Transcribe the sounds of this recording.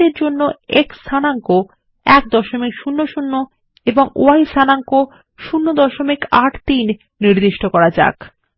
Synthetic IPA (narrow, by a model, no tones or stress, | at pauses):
eɾd͡ʑonːoeksʰanaŋko | ɛkd̪ɔʃomikʃunːoʃunːo | eboŋo̰ajsanaŋko | ʃunːod̪ɔʃomikaʈt̪inː | iɾd̪iʃʈokɔɾad͡ʑa̰k